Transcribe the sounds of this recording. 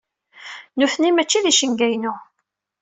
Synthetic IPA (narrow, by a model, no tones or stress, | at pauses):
nuθnimæt͡ʃːiðiʃənɡæjnu